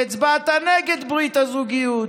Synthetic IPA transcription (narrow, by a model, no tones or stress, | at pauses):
ɛd̪bat̪anɛɡɛd̪blit̪ɐzuɡiu